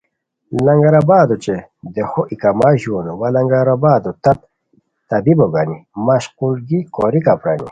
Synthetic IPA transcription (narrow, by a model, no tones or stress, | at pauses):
lɐŋɡɐɾɐbaːd̪ot͡ɕed̪exoʔikɐmaʑoːnowɐlɐŋɡɐɾɐbaːd̪ot̪ɐt̪̚ | t̪ɐbiboɡanimɐɕqulɡikoɾikapɾa̰nḭ